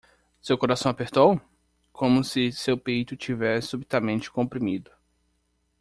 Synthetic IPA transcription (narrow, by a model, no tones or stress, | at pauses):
sewkoɾasɐ̃w̃apeɾt̪ow | kʰõmʊsɪsewpejt̪ʊt͡ʃivɛssubit̪amẽnt͡ʃɪ̥kõpɾimid̪ʊ